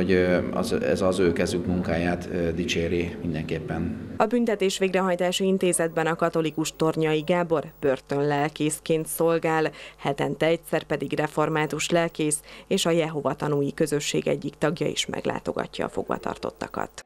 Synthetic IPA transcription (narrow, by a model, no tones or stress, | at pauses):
oɟ̰zɛ̰zɒzøːkɛzykmuŋkaːjaːt̪ːd̪it͡ʃeːɾimind̪ɛŋkeːpːɛnɒbynt̪ɛt̪eːʃʋeːɡrɛɦɒjt̪aːʃiint̪eːzɛd̪̚bɛnɒkɒt̪o̞likuʃt̪o̞rɲɒiɡaːbo̞rbørt̪ø̞nlɛlkeːskeːnt̪so̞lɡaːlhɛt̪ɛnt̪ɛɛc̚sɛrpɛd̪iɡrɛfo̞rmaːt̪uʃlɛlkeːseːʃɒjɛɦo̞vɒt̪ɒnuːjikø̞zø̞ʃːḛːɡɛ̰ɟːikt̪ɒɡjɒḭʃmɛ̰ɡla̰ːt̪o̞̰ɡɒ̰cːɒ̰ːfo̞̰ɡʋɒ̰t̪ɒ̰rt̪o̞̰t̪ːɒkɒ̰t̪